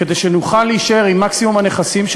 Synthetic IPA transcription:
ed̪ejʃenuχalːeiʃaeʁimːaksimumhane̞χasimʃ

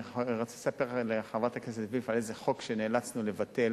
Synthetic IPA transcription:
ʁat͡se̥sapeʁleaχavʁat̪akesetvifalezeχo̞kʃeneːlat͡snulevatel

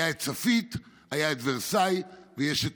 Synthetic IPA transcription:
aett͡safit̪ | hajaet̪vesajvejeʃet

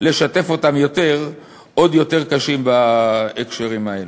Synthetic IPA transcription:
le̞ʃate̞fo̞tamjo̞te̞ʁ | ʔo̞d̪jo̞t̪e̞ʁkaʃimbaekʃeʁimaelu

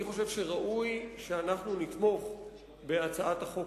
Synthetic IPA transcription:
iχo̞ʃe̞vʃeʁaʔujʃeanaχnunit̪mo̞χ | be̞at͡saʔat̪haχo̞

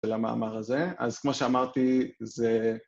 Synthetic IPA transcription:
elama̰ːmaʁaze̞a̰zkmo̞ʃeamaʁt̪ize

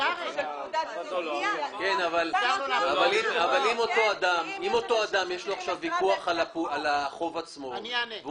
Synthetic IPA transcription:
kenavalavalimavalimo̞t̪o̞ad̪amimo̞t̪o̞ad̪amjeʃlo̞aχʃavikuaχalapualaχo̞vat͡smo̞v

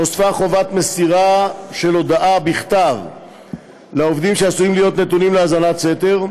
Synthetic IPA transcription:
osfaχo̞vat̪me̞siʁaʃe̞lo̞d̪aʔabiχt̪av | lao̞vd̪imʃeasujimlijo̞t̪net̪unimleazanatse̞t̪e̞ʁ

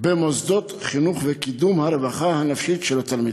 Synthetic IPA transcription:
bemozd̪ot̪χinuχvekid̪umhaɾevaχahanafʃitʃelat̪almid

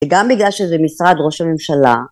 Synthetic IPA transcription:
eɡambiɡlalʃezɛmisʁad̪ʁo̞ʃhame̞mʃala̰

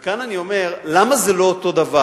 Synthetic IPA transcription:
kananio̞me̞ʁlamazelo̞oto̞d̪ava

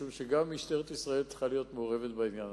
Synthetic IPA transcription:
umʃeɡamːiʃt̪eʁet̪isʁae̞lt͡sχalijo̞t̪meoʁe̞ve̞t̪bainjan

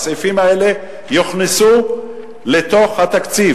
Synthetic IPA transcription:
sifimaele̞ | joχnisu | let̪o̞χhat̪akt͡si

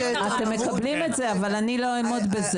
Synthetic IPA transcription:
at̪emːe̞kablimetzeavalanilo̞emod̪beze

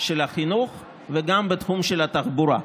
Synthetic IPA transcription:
ʃelaχinuχ | veɡambet̪χumʃelat̪aχbuɾa̰

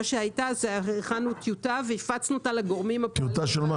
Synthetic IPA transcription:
aʃehajtazeχanut̪ʰjutaveifat͡snuot̪alaɡoʁmimat̪ut̪aʃelma

